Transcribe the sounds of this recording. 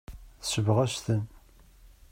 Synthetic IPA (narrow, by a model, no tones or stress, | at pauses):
θəsəvʁæʃt̪ən